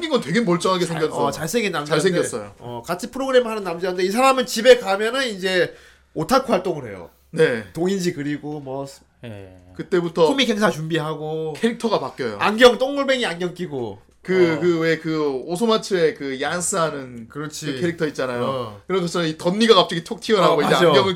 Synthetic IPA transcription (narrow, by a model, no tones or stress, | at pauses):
ŋɡiŋɡʌntwe̞ɡemʌɭt͡ɕ͈ʌŋɦaɡesʰeɡjʌnsʰt͡ɕaɭsʰeŋɡenːamt͡ɕaɭsʰeŋɡjʌs͈ʌjo̰ʌkat͡ɕʰipʰɯɾoɡɯɾe̞mɯɦanɯnːamd͡ʑiɦanɯnde̞isʰaɾamɯnt͡ɕibe̞kamjʌnɯnid͡ʑe̞ | otʰakʰuɦaɭt͈oŋɯɭɦe̞̰jo̰ | ne̞toŋind͡ʑikɯɾiɡomwʌs | kɯt͈e̞butʰʌumikʰeŋsʰat͡ɕumbiɦaɡokʰeɾik̚tʰʌɡapak͈jʌjo̰aŋɡjʌŋt͈oŋmɯɭbe̞ŋianɡjʌŋk͈iɡo̰ | kɯkɯwe̞kɯosʰomat͡ɕʰɯe̞kɯjans͈ʰɯɦanɯnkɯɾʌt͡ɕʰiɯkʰeɾik̚tʰʌit̚t͡ɕ͈anajokɯɾʌd͡ʑosʰʌʌnitʌnːiɡakap̚t͡ɕ͈ʌɡitʰok̚tʰiʌɾɦaɡɡoiad͡ʑead͡ʑoɡjʌŋɯɭ